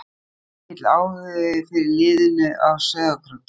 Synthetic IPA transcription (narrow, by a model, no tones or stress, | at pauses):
ɪt̪laːwðœðɪfɪɾɪɾlɪːðɪnʏʔavsœːðakʰɾʏ